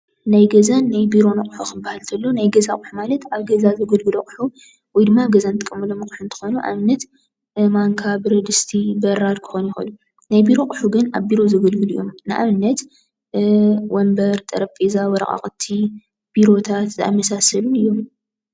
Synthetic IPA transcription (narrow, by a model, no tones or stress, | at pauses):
najɡɐzanːajbiɾo̞nɐkʼħukʰɨbahalt̪ʰɐlːonajɡɐzakʼħumalɐt̪aβɡɐzazɨɡɨlɡɨlokʼħu | wɔjd̪ɨmːaɡɐzant̪ʰɨkʼːɐmːɨlomɨkʼħunt̪ʰɨ̥xo̞nuʔa̰βnːɐt̪ | maŋkʰabɨɾɐd̪ɨst̪ʰibɐɾad̪kʰɨ̥xonjɪxo̰nu | najbiɾo̞kʼħuɡɨna̰βbiɾo̞zɨɡɨlɡɨlḭjo̞̰mnɨʔa̰βɨnːɐt̪ | wɔmbɐɾt̪ʼɐ̰ɾɐpʼezawɔɾɐ̰χʼa̰χʼt̪ʰːi | b̥iɾo̞t̪ʰat̪zɐa̰jmɐsasɐlunɨjːo̞m